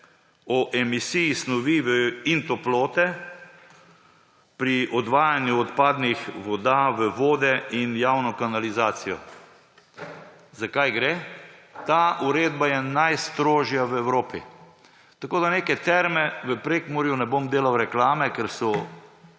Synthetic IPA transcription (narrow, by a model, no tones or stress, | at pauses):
ɔʔɛmisijisnɔʋiʋəint̪ɔploːt̪ɛ | pɾiʔɔd̪ʋaːjanjuɔt̪paːd̪nixʋɔd̪aʋəʋoːd̪ɛinjawnɔkanalizaːt̪sijɔ̰ | zakajɡɾet̪aːʔuɾeːd̪̚bajɛnajst̪ɾoːʒjaʋəɛwɾoːpḭ | t̪akoːd̪aneːkɛt̪ɛɾmɛʋəpɾeːkmɔɾjunɛbomd̪eːlawɾɛklaːmɛkɛɾsɔ